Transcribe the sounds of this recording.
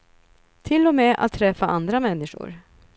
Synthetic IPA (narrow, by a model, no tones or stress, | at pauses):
t̪ʰɪlːɔmeːʔa̰t̪ʰːɾɛfːaʔand̪ɾamɛnːɪʂʊ̰ɾ